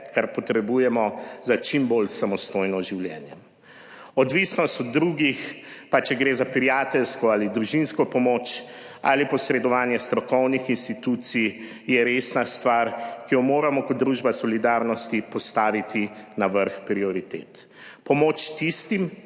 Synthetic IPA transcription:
kaɾpɔt̪ɾɛbujɛmɔzat͡ʃimbolsamɔst̪ojnɔʒiwljɛ̰ːnjɛ | ɔd̪ʋisnɔst̪ɔd̪ːɾuːɡixpat͡ʃɛɡɾeːzapɾijaːt̪ɛlskɔaːlid̪ɾuʒinskɔpɔmoːt͡ʃa̰lipɔsɾɛd̪ɔʋaːnjɛst̪ɾɔkɔwnixinst̪it̪ut̪si | jɛɾeːsnast̪ʋaɾkijɔmoːɾamɔkɔd̪̚d̪ɾuʒbasɔlid̪aːɾnɔst̪ipɔst̪aːʋit̪inaʋəɾxpɾiɔɾit̪ḛːt̪ | pɔmoːt͡ʃt̪ist̪im

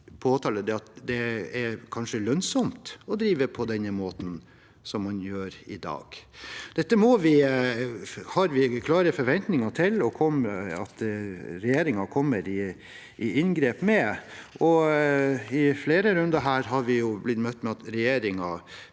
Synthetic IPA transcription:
pʰoːt̪ʰɑːləd̪ɛɑt̪̚d̪ɛɛɾkʰɑnʂəlœnsɔmt̪ɔd̪ɾiːʋəpʰɔd̪ɛnːəmoːt̪n̩ | sɔmːɑnjøːɾɪd̪ɑ̰ːɡ̥d̪̥ɛt̪ːəmɔʋɪ | hɑɾʋɪkʰlɑːɾəfɔɾʋɛnt̪nɪŋɑʈʰɪlɔkʰɔməɑt̪ɾɛjeːɾɪŋɑkʰɔmːəɾɪ | ʔɪɪnɡɾeːpmɛʔɔ | ɪfleːɾəɾʉnd̪ɑɦæːɾɦɑɾʋɪjʊblɪt̪ːmœt̪ːmɛɑt̪ɾɛjeːɾɪŋɑ

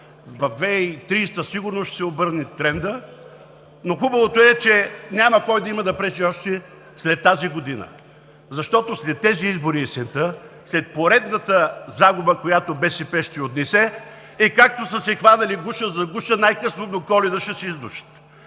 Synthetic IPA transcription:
vɐvd̪vɛit̪ɾiːst̪əsiɡʊɾnosʃt̪ɛ̥sɛobɤɾnit̪ɾɛnd̪ə | noxubɐvot̪oɛt͡ʃɛnʲamɐkɔjd̪ɐimɐd̪ɐpɾɛt͡ʃiɔʃt̪ɛ | slɛt̪ːaziɡod̪inə̰ | zɐʃt̪ɔt̪oslɛt̪ːɛziizbʊɾiːsɛnt̪ə | slɛt̪̚poɾɛd̪nət̪əzaɡʊbəkojat̪obɛʃɛpɛʃt̪iot̪nɛsɛ | ikak̚t̪osəsɛxvanɐliɡuʃəzɐɡuʃənajkɤsnod̪okɔlɛnɐʃɛsɛizd̪uʃə̥t̪

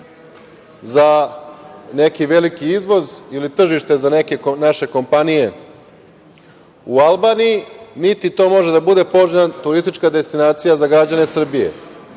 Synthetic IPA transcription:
za | ne̞kiʋe̞likiizʋo̞zilit̪r̩ʒiʃt̪e̞zaneke̞naʃe̞ko̞mpanije̞ | ualˠbaːnijinit̪it̪o̞ːmo̞ʒed̪abud̪e̞po̞ʒat̪uɾist̪it͡ʃkad̪e̞st̪inaːt̪sijazaɡɾad͡ʑane̞sr̩bije̞̰

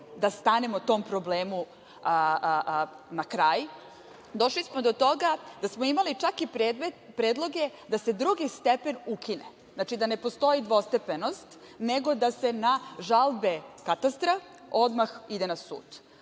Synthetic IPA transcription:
d̪ast̪anemot̪o̞ːmpɾo̞bleːmu | nakɾaːj | d̪o̞ʃlismod̪ot̪o̞ɡad̪̥asmoimalit͡ʂakipɾeːd̪med̪pɾeːd̪lˠo̞ɡe̞d̪ase̞d̪ɾuɡist̪epe̞nukinḛ | znat͡ʃid̪ane̞post̪o̞jid̪ʋo̞st̪epenost̪ | neɡo̞d̪ase̞naʒalbe̞kat̪ast̪ɾa | o̞d̪maxid̪e̞nasṵːd̪

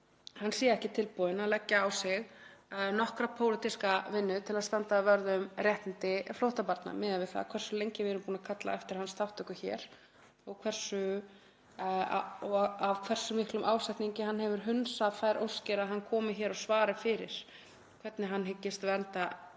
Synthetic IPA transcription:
hanːsiːjɪɛhcɪt̪ʰɪlpɔːðɪnalɛcːaːwsɪɣnɔhkɾapʰowlɪt̪iskavɪnːʏt̪ʰɪlaðst̪ant̪avœɾðʏʏmrjɛht̪nɪnt̪ɪflowht̪apaɾt̪na̰mɪːðavɪðθa̰ðkʰvɛr̥sʏlejɲcɪvɪɛɾʏmpuːnakʰat̪la̰ɛft̪ɪɾhanːst̪awht̪ʰœkʏçɛ̰ːɾ | ɔɣkʰvɛr̥sʏ | a̰ɔavkʰvɛr̥sʏmihklʏmʔaːwsajht̪niɲcɪɦanːɦɛvʏɾ̥ɦʏnsafaːjɾʔo̰wscɪɾaðɦanːkʰɔːmɪçɛːɾɔɣsvaːɾɪfɪɾɪ̰ɾ̥ | kʰvɛt̪nɪɦanːɦɪcːɪst̪vɛɾnt̪a

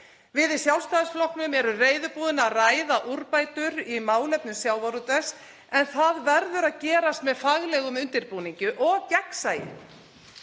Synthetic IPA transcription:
vɪðisjawlst̪aːðɪsflɔhknʏmɛɾʏreːjðʏpuːðɪnaðraːjðaʔuɾpaːjt̪ʏɾimaːwlɛpnʏmsjaːwvaɾut̪ɛs | ɛnθaðvɛɾðʏɾaðcɛːɾast̪mɛðfaɣlɛɣʏmʏnt̪ɪɾpuːniɲcʏʔɔɣcɛksaːjɪ̰

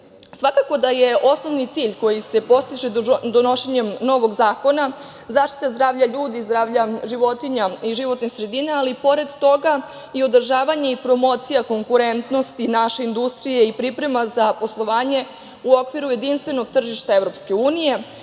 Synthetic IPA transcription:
sʋakako̞d̪ajeʔosno̞ʋnit̪siːʎko̞jise̞po̞st̪iʒed̪ono̞ʃeɲe̞mno̞ʋo̞ɡzaːko̞na | zaːʃt̪i̥t̪azd̪ɾaːʋʎaʎuːd̪izd̪ɾaːʋʎaʒiʋo̞t̪iɲaiʒiʋo̞t̪nixsɾe̞d̪inaːlipo̞ɾe̞d̪t̪o̞ɡa | io̞d̪r̩ʒaːʋaɲe̞ipɾo̞mo̞t̪sijako̞ŋkuɾe̞nt̪no̞st̪inaʃe̞ind̪ust̪ɾije̞ipɾipɾe̞mazapo̞slˠo̞ʋaːɲe̞ | uo̞kʋiɾuje̞d̪inst̪ʋe̞no̞ɡ̚t̪r̩ʒiʃt̪aeʋɾo̞pske̞uːnije̞

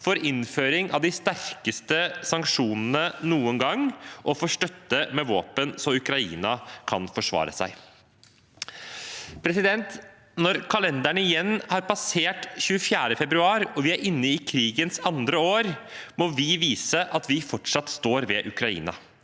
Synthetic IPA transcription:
fɔɾɪnføːɾɪŋʔɑʋd̪ɪst̪æɾkəst̪əsɑŋkʂuːnənənuːəŋɡɑŋʔɔfɔːʂʈœt̪ːəmɛʋoːpənsɔʉkɾɑḭːnɑkʰɑnfɔʂʋɑ̰ːɾə̰sæ̰ɪ | pʰɾɛsɪd̪ɛnt̪ | nɔɾkʰɑlɛnd̪æɳəɪjɛnːhɑɾpɑseːʈçʉəfjæːɾəfɛbɾʉɑːɾɔʋɪæɾɪnːəɪkʰɾiːɡənsɑnd̪ɾəoːɾmɔʋɪʋiːsəʔɑt̪ʋɪfɔʈʂɑt̪ːst̪oːɾʋɛʔʉkɾɑḭːnɑ̰

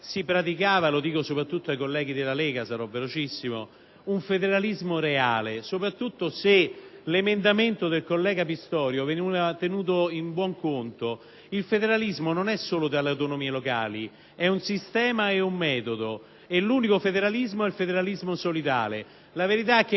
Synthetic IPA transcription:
sipɾat̪̬ikaːvalod̪iːkosopɾat̪ːut̪ːoajkolːɛːɡid̪elːalɛːɡasaɾɔvːelot͡ʃisːimo̰ | uɱfed̪eɾalizmoɾeaːlesopɾat̪ːut̪ːoselemend̪ament̪od̪elkolːɛːɡapist̪ɔːɾjovenuat̪enuːt̪̬oimbwɔŋkont̪o | ilfed̪eɾalizmononɛsːoːlod̪alːeawt̪onomiːeloka̰ːli | ɛunsist̪ɛːmaeumːɛːt̪od̪o | elːuːnikofed̪eɾalizmoɛlfed̪eɾalizmosolid̪a̰ːle | laveɾit̪̬aɛk̟ː

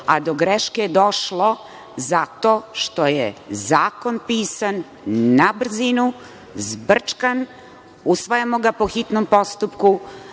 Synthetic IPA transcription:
a̰d̪o̞ɡɾeʃked̪o̞ʃlˠo̞ | zat̪o̞ːʃt̪o̞jezaːko̞npiːsanː | abr̩zinu | zbr̩t͡ʂkan | usʋajamo̞ɡapo̞xit̪nompo̞st̪upku

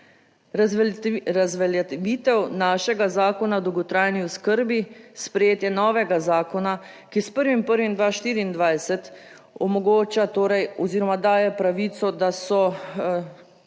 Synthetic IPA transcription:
ɾazʋɛlɛʋiːt̪ɛwnaːʃɛɡazaːkɔnad̪owɡɔt̪ɾaːjniɔskəɾbispɾɛjeːt̪jɛnɔːʋɛɡazaːkɔna | kispəɾʋimpəɾʋind̪ʋaʃt̪iːɾiːnd̪ʋajsɛt̪ | ɔmɔɡoːt͡ʃat̪oːɾɛjɔziːɾɔmad̪aːjɛpɾaʋit̪sɔd̪asɔ

